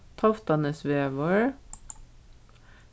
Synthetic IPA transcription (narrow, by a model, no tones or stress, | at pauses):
t̪ʰɑft̪ɑnəsʋeːʋɔɹ